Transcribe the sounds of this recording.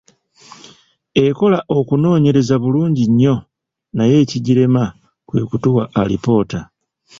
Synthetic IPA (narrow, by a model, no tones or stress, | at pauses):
e̞ko̞laʔo̞kuno̞ːɲe̞ɾe̞zaβuluːɲɟiɲːo̞ | naje̞ːciɟiɾe̞ma | kwe̞̰ːkutuwaʔːlipo̞ːta